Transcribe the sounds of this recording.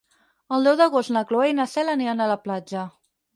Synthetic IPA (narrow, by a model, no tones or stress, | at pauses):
əlˠd̪ɛwðd̪əɣost̪nəkloejnəsɛləniənələplad͡ʒə